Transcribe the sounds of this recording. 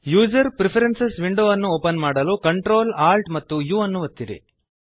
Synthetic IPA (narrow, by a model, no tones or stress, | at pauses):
juːd͡ʒɐɾpɾipʰɐɾensesʋiɳɖoːɐnːuoːpɐnmaːɽɐluːkɐɳʈɾoːlaːlʈmɐt̪ːujuːɐnːuʋɐt̪ːid̪ḛ